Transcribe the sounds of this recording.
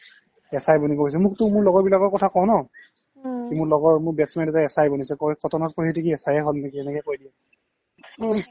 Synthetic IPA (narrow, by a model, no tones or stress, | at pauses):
ɛsajbɔnikois̬ɛmʊk̚tʊmʊɹlɔɡɔɹbilakɔɹkɔtʰakɔw̃nɔ | kimʊɹlɔɡɔɹmʊɹbɛtsmɛntɛtaɛsajbɔnisɛkɔkʰɔtʰɔnɔtpoɹitekiɛsajɛɦɔlnekiɛnɛkɔɛkojdiɛ